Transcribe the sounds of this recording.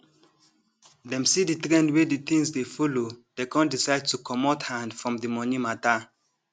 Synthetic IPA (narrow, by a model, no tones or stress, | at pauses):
ðɛ̃msiðitɹɛ̃ndwediθĩŋsdefɔlodekɔ̃ndisaɪd̚tukʰɔmɔthãndfɹɔ̃mðimɔnimata